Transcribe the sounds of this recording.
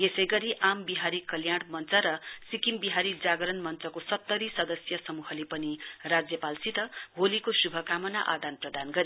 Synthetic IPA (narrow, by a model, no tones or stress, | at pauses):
esʌjɡʌɾiʔambiɦaɾikʌljaɽmʌnt͡sʌɾʌsikimbiɦaɾid͡zaɡɾʌnmʌnt͡sʌkosʌt̪ːʌɾisʌd̪ʌsjʌsʌmuɦʌlepʌnirad͡zjʌpalsit̪ʌɦolikosubʱʌkamʌna̰ʔa̰d̪anprʌd̪anɡʌɾi